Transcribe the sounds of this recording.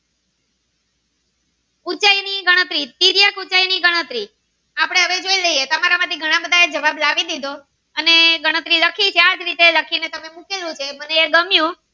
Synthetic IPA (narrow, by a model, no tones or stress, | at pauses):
ut͡ʃainiɡəɽ̃ət̪ɾit̪iɾjakut͡ʃainiɡəɽ̃ət̪ɾi | apəɽ̃eɦəʋed͡ʒoiləiet̪əmaɾamaʈ̪ʰiɡʱəɽ̃ãbəd̪ʱaed͡ʒəʋablaʋid̪id̪ʱo | əneɡəɽ̃ət̪ɾiləkʰit͡ʃʰead͡ʒɾit̪eləkʰinet̪əmemukelũt͡ʃʰeməneːɡəmjũ